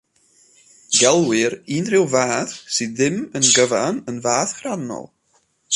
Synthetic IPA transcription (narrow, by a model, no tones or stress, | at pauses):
ɡɛlˠwɪɾiːnrɪwvaːθsɨðɪmənɡəvanənvaːθχranɔ̰lˠ